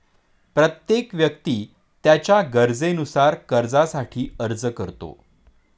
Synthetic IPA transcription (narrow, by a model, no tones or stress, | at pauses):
pɾət̪jekʋjək̚t̪iː | t̪jat͡ɕjaɡəɾd͡zenusaɾkəɾd͡zasaʈʰiːəɾd͡zəkəɾt̪o̰